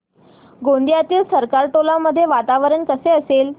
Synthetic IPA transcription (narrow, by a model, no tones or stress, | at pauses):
ɡond̪jat̪iːlsəɾkaɾʈolaməd̪ʱːjeʋat̪aʋəɾəɳkəseəsel